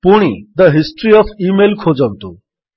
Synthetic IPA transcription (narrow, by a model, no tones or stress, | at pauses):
puɽ̃id̪əɦisʈɾiɔfiːmelkʰod͡zəʋt̪o